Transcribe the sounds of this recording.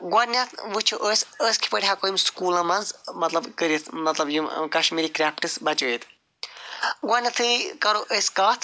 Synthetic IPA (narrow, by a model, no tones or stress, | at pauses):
ɡɐɾnʲɐt̪ʰʋɨt͡ʃʰuʔəːsʲəskʰi̥pɐɽʲiɦakomskuːlɐmɐnzmɐt̪lɐbkəɾit̪ʰmɐt̪lɐbjukɐʃmiːɾikɾʲaːpʈɨsbɐt͡ʃujit̪ʰ | ɡwɐnʲɐt̪ʰɨkɐɾoʔəskaːt̪ʰ